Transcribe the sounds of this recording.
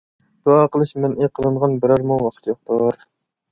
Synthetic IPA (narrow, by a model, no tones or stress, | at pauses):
d̪̥uɑːqəlˠɨʃmɛneqʰəlˠɨɴʁɑnbɪɾɑɾmuwɑqʰə̥t̪ʰjoχ̚t̪ʰʊɾ